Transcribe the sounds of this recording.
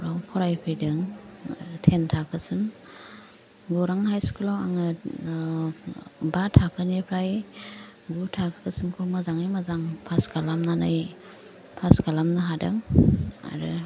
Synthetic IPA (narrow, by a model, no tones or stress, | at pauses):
ɾawpʰɔɾajpʰɯjdɯŋ | tʰentʰakʰɯsɯm | ɡɔɾaŋhajskʰulaa̰ŋɯ | batʰakʰɯnepʰɾaj | ɡutʰakʰkʰɯsɯmkʰomazaŋajmazaŋpʰaskalamnanaj | pʰaskalamnɯɦadɯ̰ŋa̰ɾɯ̰